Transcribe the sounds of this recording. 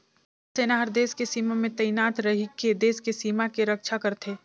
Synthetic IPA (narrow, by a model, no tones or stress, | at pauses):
seːnaɦəɾd̪eːskesiːmamẽt̪ɐjnaːt̪ɾɐɦiked̪eːskesiːmakeɾɐkʃʰakɐɾt̪ʰeː